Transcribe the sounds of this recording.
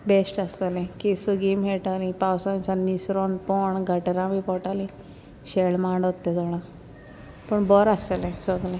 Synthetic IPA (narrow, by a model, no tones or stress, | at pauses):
besʈast̪alẽkesuɡimɦeʈalĩpawsãnĩsanisɾɔnpɔɳɡʱəʈeɾãbipɔʈalĩ | ɕeɭmaːɳɖɔt̪ːed̪ɔɽã | pəɳbɔɾast̪alẽsɔɡlẽ